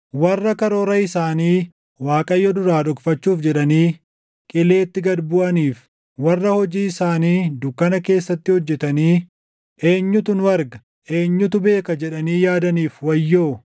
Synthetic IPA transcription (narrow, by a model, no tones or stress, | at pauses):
wɐrːɐkɐɾo̞ːɾɐɪsaːniː | waːkʼɐjːɔd̪ʊɾaːᶑɔkfɐt͡ʃːuːfd͡ʒɛᶑɐniː | kʼɪle̞ːt̪ːɪɡɐd̪bʊʔɐniːf | wɐrːɐhɔd͡ʒiːɪsaːniːd̪ʊkːɐnɐke̞ːsːɐt̪ːɪhɔd͡ʒːɛt̪ɐniː | ʔe̞ːɲːʊt̪ʊnwɐɾɡɐ | ʔe̞ːɲːʊt̪ʊbe̞ːkɐd͡ʒɛᶑɐniːjaːd̪ɐniːfwɐjːoː